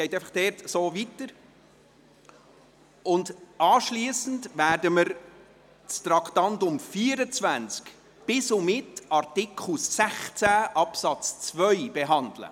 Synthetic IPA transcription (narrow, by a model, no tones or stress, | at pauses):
ɡ̥ɛɪtɛɪfɑχd̥ɛɾtsoːvitəɾ | ʊndʔɑːʃliəsn̩dvæːɾdəməɾ | t͡stɾɑkχtɑntʊmfiːəɾət͡svænt͡sk | b̥ɪsomɪtɑɾtɪkʰχl̩sːæχt͡sæʔɑpsɑt͡st͡svœʏb̥ɛɦɑndlə̰